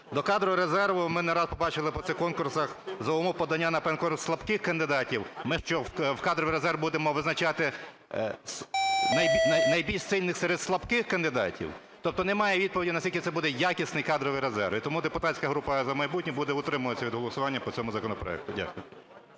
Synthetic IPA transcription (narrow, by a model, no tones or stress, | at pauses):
d̪ɔkɑd̪ɾɔʋɾezɛrʋʊmɪnɛɾɑspɔbɑt͡ʃɪlˠɪpɔt̪sɛkɔnkʊrsɐxzɔɔmɔpɔd̪ɐnʲːanɐpɛnkɔɾslˠɐbkɪxkɐnd̪ɪd̪ɑtʲiwmɪʃt͡ʃɔwwkɑd̪ɾɔʋijɾezɛrwbud̪emɔʋɪznɐt͡ʃɑt̪ɪ | snɐjɐnɐjbʲilʲʃsɪlʲnɪxsɛɾed̪slˠɐbkɪxkɐnd̪ɪd̪ɑ̰tʲḭw | t̪ɔp̚t̪ɔnɛmɑjɛʋʲid̪̚pɔʋʲidʲinɐsʲilʲkɪt̪ɛbud̪ɛjakʲisʲnɪjkɑd̪ɾɔʋɪjɾezɛ̰rʋit̪ɔmud̪epʊt̪ɑtʲsʲkɐɦɾupɐzɐmɐjbutʲnʲibud̪ɛʊt̪ɾɪmʊʋɐt͡sʲːɐʋʲid̪ɦɔlˠɔsʊʋɑnʲːɐpɔt͡sʲɔmʊzɐkɔnɔpɾɔ̰ɛ̰k̚t̪ʊdʲa̰kʊjʊ